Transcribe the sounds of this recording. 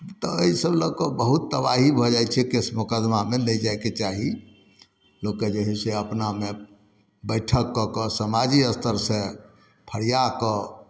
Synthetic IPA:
t̪ɔəisəbləkɔbəɦut̪ːəbaɦibʱɔd͡ʒajt͡ʃʰɛkesmukad̪mamenɛjd͡ʒaeket͡ʃaɦi | loked͡ʒeɦiseəpname | bəɪʈʰəkːɔkəsəmad͡ʒiəst̪ʰəɾsẽ | pʰəɽijakɔ

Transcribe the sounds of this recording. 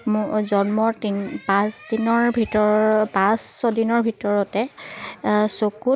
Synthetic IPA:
mzɔnmɔtinpãsdinɔɹbʱitɔpãsːɔdinɔɹbʱitɔɹɔtɛ | soku

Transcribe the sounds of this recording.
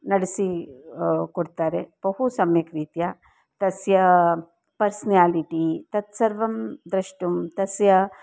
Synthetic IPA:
nɐɽsi | kuɽt̪aːɾeb̥ɐɦusɐmjɐkɾiːt̪ja | t̪ɐsjɐ | pɐɾsnjaːliʈit̪ɐt̪sɐɾʋɐmd̪ɾɐʂʈumt̪ɐsjɐ

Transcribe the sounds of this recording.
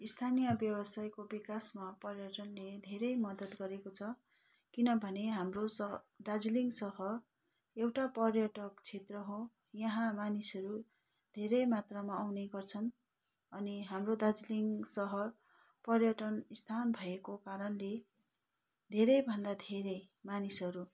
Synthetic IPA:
ist̪ʰanijʌbjʌbʌsajkobikasmapʌrjʌʈʌnled̪ʱeɾʌjmʌd̪ʌt̪ɡʌɾekot͡sʰʌ | kinʌbʱʌneɦamro | d̪ad͡ziliŋɡsʌɦʌr | ewʈapʌrjʌʈʌkt͡sʰet̪rʌɦo | jʌɦãmanisʌɾu | d̪ʱeɾʌjmat̪ramaːwneɡʌrt͡sʰʌn | ʌniɦamrod̪ad͡zliŋsʌɦʌr | pʌrjʌʈʌnist̪ʰanbʱʌekokaɾʌnle | d̪ʱeɾʌjbʱʌnd̪ad̪ʱeɾʌj | manisʌɾu

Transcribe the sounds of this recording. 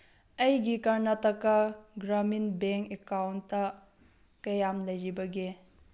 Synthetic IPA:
ɐjɡikɐɾnɐtɐkːɐɡɾaminbeŋkekawntːɐ | kɐjamlɐjɾibɐɡi

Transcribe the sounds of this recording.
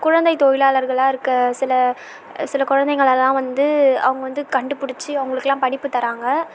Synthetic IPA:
kʊɻɐnd̪ɐɪt̪ojɪlaːlɐɾɣɐɭaːɪɾɯkːɐsɪlɐ | sɪlɐkʊɻɐnd̪ɐɪŋɡɐɭɛlːãːʋɐnd̪ɯɐ̰ʋɐŋɡɐʋɐnd̪ɯkɐɳɖɯpʊɽɪt͡ʃːɯɐʋʊŋɡɐɭɯkːɛlːãːpɐɽɪpːɯt̪ːɐɾaːŋɡɐ

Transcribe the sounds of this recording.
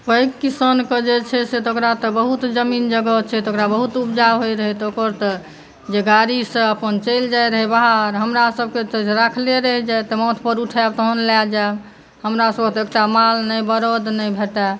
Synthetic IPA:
pəikːisənkəd͡ʒet͡ʃʰɛset̪okɾat̪ɔbəɦut̪d͡ʒəmind͡ʒəɡət͡ʃʰɛt̪okɾabəɦut̪upd͡ʒaɦojɾəɦɛt̪okəɾt̪ɔ | d͡ʒeɡaɾisə̃əpənt͡ʃəjld͡ʒajɾəɦɛbaɦaɾɦəmɾasəb̚ʱket̪əɾakʰleɾəɦɛd͡ʒajt̪ɔmɔt̪ʰpəɾuʈʰabt̪oɦənlad͡ʒab | həmɾasəb̚ket̪ekʈamalnəjbəɾod̪nəjbʱeʈa

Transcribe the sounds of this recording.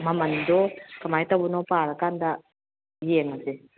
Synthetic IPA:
mamand̪okamait̪abunopaːɾakand̪a | jeŋase

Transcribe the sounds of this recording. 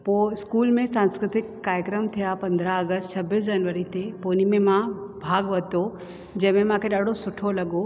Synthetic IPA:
poɪskuːlmẽsãːnskɾɪt̪ɪkːaːɾjəkɾəmt̪ʰijapɐ̃nd̪ʱɾaɐɡəst̪sʰɐbisd͡ʑɐnʋəɾit̪epoːnimẽmãbʱaːɡʋɐt̪o | d͡ʒɐɦmẽm̤ãkʰeɗaːɽ̤ʱosʊʈʰolɐɡo

